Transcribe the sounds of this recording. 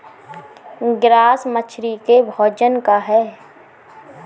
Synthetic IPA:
ɡɾaːsmət͡ʃʰɾikebʱɔːd͡ʒənkaɦɛː

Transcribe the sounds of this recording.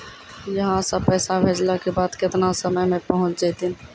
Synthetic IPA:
jəɦãsəpɛːsabʱeːd͡ʒlakebaːd̪kɪt̪nasəməjmẽpəɦʊ̃t͡ʃd͡ʒaːt̪in

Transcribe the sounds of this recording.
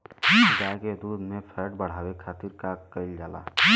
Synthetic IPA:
id͡ʒaked̪ud̪ʱmepʰeɾʈ̚bəɽ̤abekʰat̪iɾkakəɪld͡ʒala̰

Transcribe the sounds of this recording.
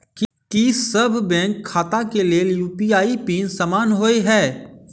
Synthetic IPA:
k | kisɐbʱbɛ̃ːŋkʰːaːt̪akeleːljuːpiaːipiːnsaːmaːnɦoːeɦɛː

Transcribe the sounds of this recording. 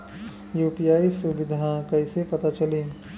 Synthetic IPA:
juːpijaːisubɪd̪ʱãkɐɪsepɐt̪at͡ʃɐliː

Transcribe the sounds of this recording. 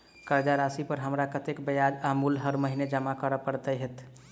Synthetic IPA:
kəɾd͡ʒaɾasipəɾɦəmɾakət̪ekbəjad͡ʒamulɦəɾməɦined͡ʒəmakəɾəpəɾt̪əɦet̪ʰ

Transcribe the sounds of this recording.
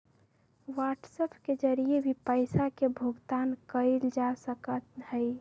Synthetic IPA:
waʈsəpʰked͡ʒəɾiebʱipəɪsakebʱuɡt̪aːnkəɪld͡ʒasəkət̪həɪ

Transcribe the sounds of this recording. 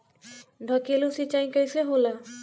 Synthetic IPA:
ɖʱɔkelusit͡ɕajkajseɦola

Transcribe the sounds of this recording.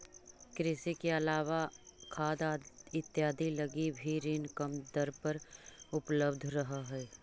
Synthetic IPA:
kɾɪsikeɐlaːʋakʰaːd̪aɪt̪ːjaːd̪ʱilɐɡibʱiɾiːnkəmd̪əɾpɐɾʊpləbd̪ʱɾɐɦaɦɛː

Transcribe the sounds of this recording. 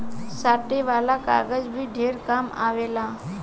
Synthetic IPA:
saʈeʋalaka̰ɾɡəd͡zbʱiːɖʱeɾkama̰ʋela

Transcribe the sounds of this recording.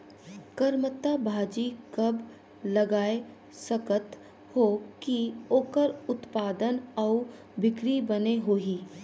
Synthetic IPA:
kəɾmət̪ːabʱaːd͡ʒikɐb | lɐɡaːe | səkət̪ | hokioːkəɾʊt̪paːd̪ənɔʊ | bʱɪkɾibɐneɦoːiː

